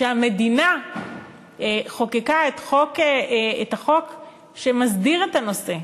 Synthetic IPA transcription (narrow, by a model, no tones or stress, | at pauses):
ʃeame̞dina | eχo̞kekaetχo̞keethaχo̞k | ʃemazdiʁetano̞se̞